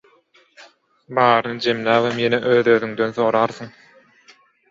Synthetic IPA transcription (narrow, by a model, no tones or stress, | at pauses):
bɑːɾɯnɯd͡ʒe̞mlæːβemjeneʔøːðøːðyŋd̪ø̞nθo̞ːɾɑːɾθɯŋ